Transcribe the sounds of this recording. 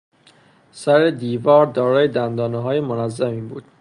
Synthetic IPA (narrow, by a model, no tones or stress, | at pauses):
sæɾe̞d̪iːvɒːɾd̪ɒːɾɒːjed̪ænd̪ɒːneɦɒːje̞monæzːæmiːbuːd̪̥